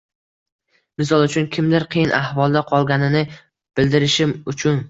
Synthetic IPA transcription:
mɪs̬ɒlˠʊt͡ʃʰʊnkʲʰɪmd̪ɪɾqʰɨjɪnʔahvɒlˠd̪aqʰɒlˠɡʲanɪnɪ | b̥ɪld̪ɪɾɪʃɪmʊt͡ʃʰʊn

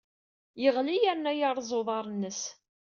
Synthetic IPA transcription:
jəʁlijæɾnæjɑɾˤzˤoðˤɑɾˤnːəs

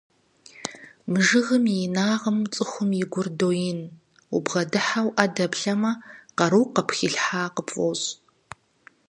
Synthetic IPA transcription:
mʐɨɣɨmjinaːʁəmt͡sʼɨxʷʊmjɪɡʷʊrdoːjɪn | ubʁɐdɨħawʔadɐbɬɐmɐqɐɾuwqɐpʰxiɬħaːqəpʼoɕ

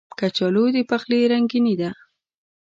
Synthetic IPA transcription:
kat͡ʃalod̪epaxleɾaŋɡinid̪a

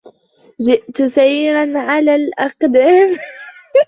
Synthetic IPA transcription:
ʒɪʔt̪sajːɾanʕalalʔɑqd̪am

